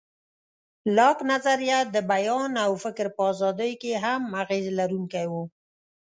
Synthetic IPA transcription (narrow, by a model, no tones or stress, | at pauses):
lɑknazaɾjat̪̚d̪əbajɑnawfɪkɾpəɑzɑd̪əjkeɦamaɣezlaɾuŋkajwu